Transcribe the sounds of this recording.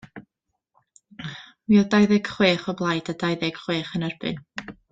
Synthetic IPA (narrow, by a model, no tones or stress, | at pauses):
wiːɔdajðɛɡ̥χweːχɔblˠajdadajðɪɡ̥χweːχənɛrbɨ̰n